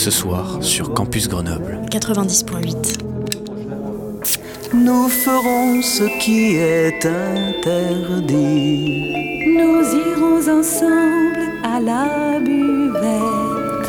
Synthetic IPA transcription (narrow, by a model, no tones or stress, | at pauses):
səswaːʁsyʁkɑ̃pysɡʁənɔblkat̪χəvɛ̃d̪ispwɛ̃ɥit̪ | nufəʁɔ̃səkʰʲiɛt̪ɛ̃t̪ɛʁd̪i | nuziʁɔ̃zɑ̃sɑ̃bl | alabyvɛ | t̪t̪